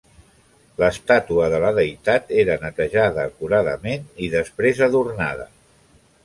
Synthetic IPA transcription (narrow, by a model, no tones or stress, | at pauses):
ləst̪at̪uəðələðəjt̪at̪eɾənət̪əʒaðəːkuɾaðəmeniðəspɾezəðurnaðə